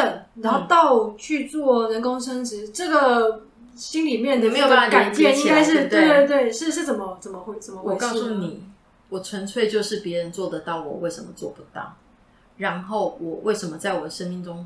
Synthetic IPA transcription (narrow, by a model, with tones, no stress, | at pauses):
t̪ə˨˩na˧˥no˥˩ʊt̪ɑ˥˧ʊt͡ɕʰy˥˧t͡swɔ˥˩ɻə˧˥nkʊ˥ŋʂə˥ŋʂɻ̩˧˥ʈ͡ʂɤ˥˩ɡə˨˩ | ɕi˥nli˨˩mjɛ˥˩n˧˩me˧˥ɪjo˨˩pa˥˩a˥˩ka˨a˨˩pjɛ˥˩ni˥ŋka˥ɪʂ̬ɻ̩˥˩t̪e˥˧we˥˧t̪̬we˥˩ɪʂɻ̩˥˩ʂɻ̩˥˩t͡sə˨˩mə˦t͡sə˨˩mə˦xwt͡sə˨˩mə˧wɔ˨˩˧kɑ˥˧ʊsu˥˨˩ni˨˩˦ | wɔ˨˩t͡sʰwə˧˥nt͡sʰwe˥˧ɪt͡ɕjo˥˧ʊʂɻ̩˥˩pjɛ˧˦ɻə˧˦nt͡swɔ˥˩d̪ə˨˩t̪ɑ˥˩ʊwɔ̰˨˩we˥ɪʂə˧˥nmə˨t͡swɔ̰˥˨pu˧˩t̪ɑ̰˥˩ʊ | ɻa˧˦˥nxo˥˩ʊwɔ˨˩wʔe˥˩ɪʂə˧˥nmə˧t͡sa˥˩ɪwɔ˨˩d̪ə˩ʂə˥nmi˥˩ŋʈ͡ʂʊ˦ŋ